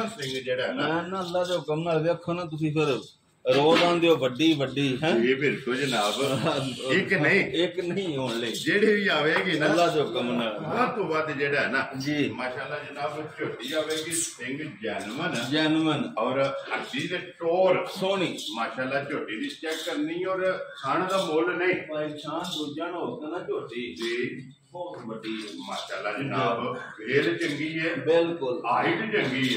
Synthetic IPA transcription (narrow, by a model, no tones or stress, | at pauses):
sɪ̃ŋɡd͡ʒeːɽaːɦnãːɛ̃ːnaəlːaːd͡ʒ̪oːɦʊkəmnaːlʋeaːkʰːoːnãːt̪̬ʊsĩːpɪɾ | ɾoːzãːnd̪eːoːʋəɖːiːʋəɖːiːɦɛ̃ːeːbɪɾt̪õːd͡ʒənaːb | ɪknəĩːɪknəĩːɦoːɳləiːd͡ʒeːɽeːʋiːaːʋeːɡeːnaəlːaːd͡ʒoːɦʊkəmnaːlãːt̪õːbaːd̪d͡ʒeːɽaːɦɛnãːd͡ʒiːmaːʃaːlːaːd͡ʒənaːbt͡ʃoʈːiːaːʋeːɡiːsɪ̃ŋɡd͡ʒɛːnmənd͡ʒɛːnmənɔːɾəd̪iːt̪eːʈoːɾsoniːmaːʃaːlaːt͡ʃoːʈiːd̪iːt͡ʃɛːkːəɾniːɔːɾkʰaːɳd̪aːmoːlnəĩːaːnd̪oːd͡ʒaːnotanːt͡ʃoːʈiːd͡ʒiː | bɔːbəɖiːma̰ːʃaːlːaːd͡ʒənaːbpʰeːɾt͡ʃəŋɡiːɦɛːbɪlkʊlaːɦiʈt͡ʃəŋɡiːɦɛː